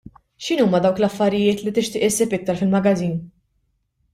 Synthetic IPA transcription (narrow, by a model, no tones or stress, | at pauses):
ʃɪnuːmɐd̪ɐwklɐfːɐɾɪjɪːt̪lit̪ɪʃt̪ɪːʔɪsːiːpɪk̚t̪ɐɾfɪlmɐɡɐziːn